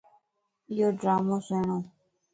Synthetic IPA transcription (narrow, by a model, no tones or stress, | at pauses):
ɪjoːɖɾaːmoːseːɳõː